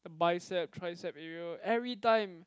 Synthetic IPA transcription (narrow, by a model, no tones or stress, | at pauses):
d̥əbaɪsɛp̚tʰɹajsɛp̚ɛɹiəɛvɹitãɪ̃m